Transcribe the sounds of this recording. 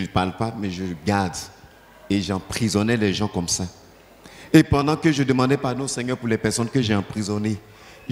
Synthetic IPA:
əlpaʁlpamɛʒəɡaʁd̪ | eʒɑ̃pχizɔnɛlɛʒɑ̃kɔmsa | epɑ̃d̪ɑ̃kəʒəd̪əmɑ̃d̪ɛpaʁnõsɛɲœʁpuʁlɛpɛʁsɔnkəʒeɑ̃pχizɔne

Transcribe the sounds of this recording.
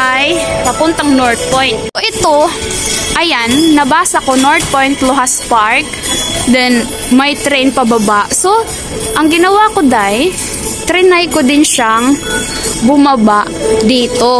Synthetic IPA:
ʔɐjpɐpʊnt̪ɐʔɐŋnoɹt̪̚pojnt̪̚ːoʔɪt̪o | ʔɐjanːɐbaːsɐkonoɹt̪̚pojnt̪loɦaspaɹk̚ | d̪ɛn | mɐjt̪ɾɛjnpɐbɐbaʔso̞ | ʔɐŋɡɪnɐwakod̪aj | t̪ɾɪnajkod̪ɪnʃaŋ | bʊmɐbaʔd̪iːt̪o̞

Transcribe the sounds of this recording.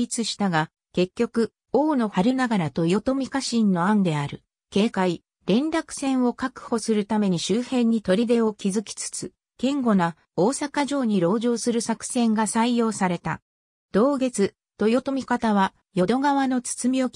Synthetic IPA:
it͡sɨɕi̥t̪aɡa | ke̞kʲːo̞kɯ̟ | o̞ːno̞haɾɯ̟naɡaɾat̪o̞jo̞t̪o̞mʲikaɕĩnːo̞ãnd̪e̞aɾɯ̟ | ke̞ːkai | ɾẽ̞nɾakɯ̟̥sẽ̞ɰ̃o̞kakɯ̟̥ho̞sɨɾɯ̟t̪ame̞ɲ̟iɕɨːhẽ̞ɲ̟ːit̪o̞ɾʲid̪e̞o̞kʲizɨkʲi̥t͡sɨ̥t͡sɨ | ɡ̥ẽ̞ŋɡo̞na | o̞ːsakaʑo̞ːɲ̟iɾo̞ːʑo̞ːsɨɾɯ̟sakɯ̟̥sẽ̞ŋɡasaijo̞ːsaɾe̞t̪a̰ | d̪̥o̞ːɡe̞t͡sɨ | t̪o̞jo̞t̪o̞mʲikat̪aβ̞a | jo̞d̪o̞ɡaβ̞ano̞t͡sɨ̥t͡sɨmʲio̞

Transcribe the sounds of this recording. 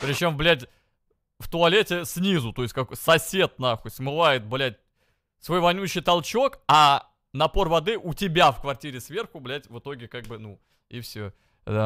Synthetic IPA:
pɾʲɪt͡ɕo̞mblʲætʲ | ft̪ʊɐlʲetʲɪsʲnʲizʊt̪o̞ɪsʲtʲkɐksɐsʲe̞t̪̚naxʊsmɨvˠajɪt̪̚blʲæt̚ʲ | svo̞jvɐnʲuɕːɪjt̪ɐlˠt͡ɕo̞kɐ | nɐpo̞rvɐd̪ɨʔʊtʲɪbʲafkvɐrtʲiɾʲɪsvʲe̞rxʊblʲætʲvɨt̪o̞ɡʲɪkaɡ̚bɨnu | ifsʲo | d̪a

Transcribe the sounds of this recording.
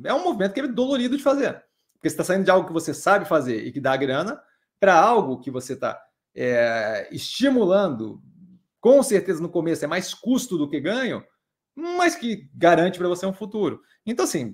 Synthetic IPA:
ɛũmovimẽt̪ʊkɛmɪd̪oloɾid̪ʊd͡ʒɪfazeɾ | pʊɾkesɪ̥t̪as̬aĩd̪ʊd͡ʒɪawɡʊkɪvosesabɪfazeɾɪ̰kɪd̪aːɡɾɐ̃nɐ | pɾɐawɡʊkɪvoset̪a̰ | ɛɪst͡ʃimulɐ̃d̪ʊ̰ | kõseɾt̪ezɐnʊkomesʊɛmajskust̪ʊd̪ʊkɪɡɐ̃ɲʊ̰ | mɐskɪɡaɾɐ̃nt͡ʃɪpɾɐvoseũfut̪uɾʊ | ẽt̪ɐ̃w̃ɐsĩ

